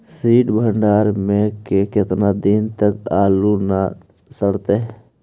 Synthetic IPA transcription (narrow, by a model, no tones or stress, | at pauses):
siːʈbʱə̃ɳɖaːɾmẽkekɪt̪nad̪int̪əkaːluna | səɽt̪eɦɛ